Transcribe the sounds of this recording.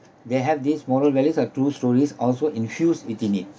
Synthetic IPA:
d̪eɦɛvd̪ismɔɾəlwɛlisɔtɹuːstɔɹisɔlsoʔĩnfjusitĩnit̚

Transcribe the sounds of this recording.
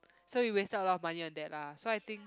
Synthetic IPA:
sowiwestətəlɔmãniɔ̃ndɛʔ̚lasoajt̪ĩŋ

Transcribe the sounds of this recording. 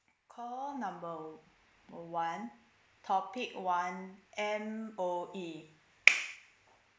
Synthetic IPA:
kʰɔnãmbə | wãn | t̪ʰɔpʰik̚wãnʔɛmʔoʔi

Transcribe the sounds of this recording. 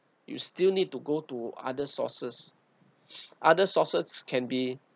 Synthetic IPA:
jṵstilnid̚tuɡotua̰dəsɔ̰səs | ʔadəsɔsəskʰɛ̃nbi

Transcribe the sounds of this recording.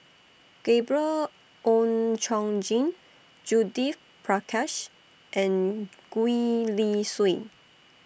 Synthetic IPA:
ɡ̥ebɹə | ʔõnt͡ʃɔ̃ŋd͡ʒĩn | d͡ʒudif | pʰɹakʰaʃ | ʔɛ̃nɡ̥uiliswi

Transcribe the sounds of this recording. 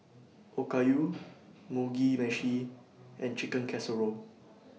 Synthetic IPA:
ʔokaju | muɡimɛ̃ʃi | ʔɛ̃nt͡ʃikə̃nkʰɛsəɹo

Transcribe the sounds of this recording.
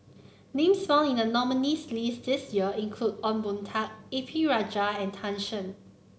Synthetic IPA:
nẽmsmɛ̃nĩnənɔmənislisdɪsjiəĩnkʰludɔ̃nbũntʰak̚epʰiɹad͡ʒaɛ̃ntʰãnʃə̃n

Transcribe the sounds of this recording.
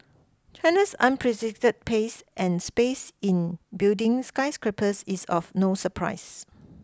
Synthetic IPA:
t͡ʃʰãnəsãnpʰɹɛsik̚tət̚pʰesʔɛ̃nspesĩnbildɪ̃ŋskaɪskɹipʰəsisɔfnosəpʰɹa̰ɪs

